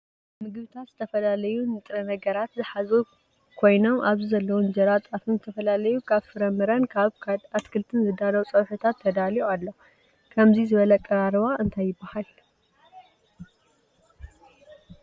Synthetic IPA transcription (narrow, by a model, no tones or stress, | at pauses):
mɨɡβɨt̪ʰat̪zɨt̪ʰɐfɐlalɐjunɨt̪ʼɾɐnɐɡɐɾat̪zɨħazu | kʰo̞jno̞maβzizɐlːɐwund͡ʒɐɾat̪ʼat̪ʰɨnzɨt̪ʰɐfɐlalɐjukʰaβfɨɾɐmɨɾɐnkʰaβkʰat̪kʰɨlt̪ʰɨnzɨd̪anowt͡sʼɐwħɨt̪ʰat̪ʰːɐd̪alialːo | kʰɐmzizɨβɐlɐkʼɐɾaɾβaʔɨnt̪ʰajːɪbːahal